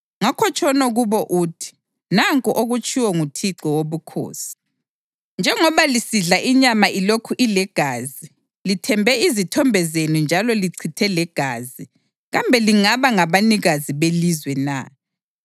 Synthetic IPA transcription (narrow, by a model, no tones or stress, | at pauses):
ŋakʰɔt͡ʃʼɔnɔɣuβɔʔuːtʰi̥ | naŋkʼuʔoɣut͡ʃʼiwɔŋutʰiǀɔwoβukʰo̰ːsi̥ | nd͡ʒʱɛŋɔβalisiɮaʔiɲamaʔilokʰuʔilɛɡ̥ʱaːzi | litʰɛmbʱɛizitʰɔmbʱɛzenind͡ʒʱalɔliǀʰitʰɛlɛɡ̥ʱaːzi | ɣambʱɛliŋaβaŋaβaniɣaziβelizwɛna̰